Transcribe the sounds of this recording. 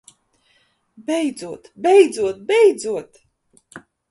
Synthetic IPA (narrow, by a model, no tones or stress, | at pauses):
bɛjd̪zuɔt̪bʲɛjd̪zuɔt̪̚bɛjd̪zuɔt̪